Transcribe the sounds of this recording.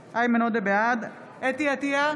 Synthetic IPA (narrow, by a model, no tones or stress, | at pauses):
ʔajmenod̪ebead̪ | et̪iat̪ia